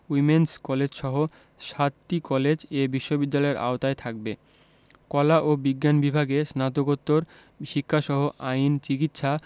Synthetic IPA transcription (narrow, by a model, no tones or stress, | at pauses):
wimenskɔled͡ʑʃɔɦo | ʃat̪ʈikɔled͡ʑebiʃːobid̪ːalɔeɾʔa̰ot̪aet̪ʰak̚be | kɔlaʔobiɡːanbibʱaɡesnat̪oɡot̪ːoɾ | ʃikʰːaʃɔɦoʔaijnt͡ɕikit̪ːʃa